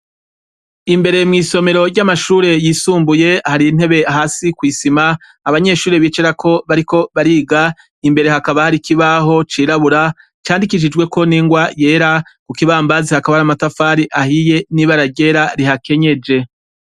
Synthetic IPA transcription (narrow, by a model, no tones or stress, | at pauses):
imbe̞ɾe̞mŋiːso̞me̞ɾo̞ɟɟamaʃuːɾe̞jiːsuːmbuje̞haɾiːn̥he̞βe̞aɦaːsikwiːsimaː | βaɲe̞ʃuːɾe̞βiːt͡ʃeɾakʰo̞βaɾiko̞βaɾiɡa | imbe̞ɾe̞ɦakaβahaɾikiβaɦo̞t͡ʃiːɾaβuɾa | t͡ʃaːndikiʃ̬id͡ʒɡwe̞ko̞niːŋɡwaje̞ːɾakukiβaːmbazihakaβaɾamatafaːɾiʔahije̞niβaɾaɟe̞ɾaɾiɦake̞ɲe̞d͡ʒe̞